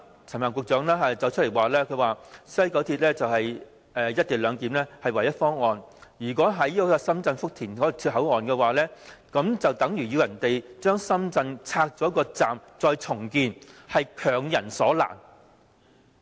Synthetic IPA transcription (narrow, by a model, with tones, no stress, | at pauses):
t͡sʰnmaː˨˩ŋkʊ˨k̚t͡sœː˨˥ŋlɛː˥hɐ˨˩t͡sɐ˨˧wt͡ʃʰt̚le˨˩jwaː˨˩lɛː˥kʰɵ˨˧waː˨sɐ˥jkɐ˨˥wt̪ʰi˧t̚lɛː˥t͡sɐ˨whɐ˨j | ʔɛː˨jɐ˥t̚t̪i˨lœː˨˧ŋkiː˨˥mlɛː˥hɐ˨jwɐ˨˩jɐ˥t̚fɔː˥ŋɔː˨njyː˨˩kɔː˨˥ɦɐ˨˥jɔ˥kɔ˧sɐ˥mt͡sɐ˧nfʊ˥k̚t̪ʰiː˨˩nkɔː˨˥˨t̪ʰy˧t̚ɦɐ˨˥wŋɔː˨nkɛː˧waː˨˩lɛː˥kɐ˨˥mt͡sɐ˨wt̪ɐ˨˥ŋjyː˨˩ji˧wjɐ˨˩nt̪e˨jt͡ʃœː˥ŋsɐ˥mt͡sɐ˧nt͡sʰaː˧k̚t͡sɔː˨˥kɔː˧t͡saː˨mt͡sɔː˧jt͡sʰʊ˨˩ŋkiː˧nhɐ˨jkʰœː˨˩ŋjɐ˨˩nsɔː˨˥la̰ː˨˩n